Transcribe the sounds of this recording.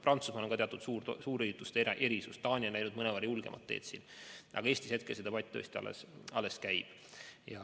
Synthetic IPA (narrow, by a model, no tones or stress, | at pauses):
prɑnt̪susmɑloɡkɑt̪eɑt̪ːˑud̪suːɾsuːɾejut̪ːˑust̪ʔe̞ɾisust̪t̪ɑːnʲionæjnud̪̚mɤnevɑɾijulɡ̥emʔɑ̰t̪ːḛːt̪sinʔɑ̰ɡ̥ɑeːsʲt̪ishe̞t̪kelsed̪ɑpɑt̪ʲːˑo̰sʲt̪ʲiɑ̰lḛsɑlːeskæjb̥ | jɑ